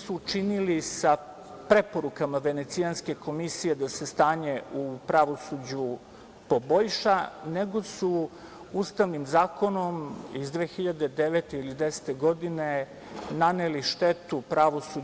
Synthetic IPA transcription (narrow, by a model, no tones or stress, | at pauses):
suːt͡ʃinilisa | pɾe̞po̞ɾukamaʋe̞net̪sijanske̞ko̞misije̞d̪ase̞st̪aːɲe̞upɾaʋo̞sud͡ʑu | poboʎʃane̞ɡo̞su | ust̪aʋnimzaːko̞no̞mizd̪ʋeːxiʎad̪e̞d̪eʋet̪eilid̪ese̥t̪eɡo̞d̪ine | naneliʃt̪et̪upɾaʋo̞su